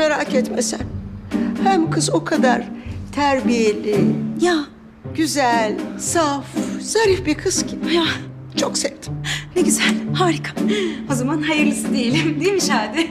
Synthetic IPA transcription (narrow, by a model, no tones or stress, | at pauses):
meɾaːcɛt̪mesæ̰nhæmkʰɯzo̞kʰad̪aɾt̪ʰæɾbijelʲija | ɟyzælʲsafz̥aɾifbiɾkʰɯscʰibja | t͡ʃʰo̞ksɛvt̪ʰi̥neɟyzælʲhaːɾikʰḁo̞zamanɦajɯɾlˠɯsɯd̪ejilʲimd̪ejimiʃaːd̪ɪ